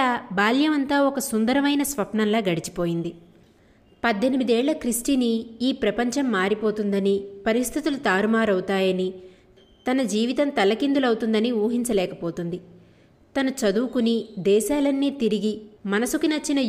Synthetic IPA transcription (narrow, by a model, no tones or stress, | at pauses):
aːbaːljɐmɐnt̪aːɔkɐsund̪ɐɾɐmɐjnɐsʋɐpɳɐnlaːɡɐɽit͡ʃi̥po̞ːjind̪i | pɐd̪ʱːenimid̪ɛːɭːɐkɾisʈiniiːpɾɐpɐɲt͡ʃɐmːaːɾipoːt̪und̪ɐnipɐɾist̪ʰit̪ulut̪aːɾumaːɾɐwt̪aːjɐni | t̪ɐnɐd͡ʒiːʋit̪ɐmt̪ɐlːɐkind̪ulɐwt̪und̪ɐniuːɦiɲt͡ʃɐlɛːkɐpoːt̪und̪i | t̪ɐnɐt͡ʃɐd̪uːkunid̪ɛːʃaːlɐnːiːt̪iɾiɡimɐnɐsukinɐt͡ʃːinɐ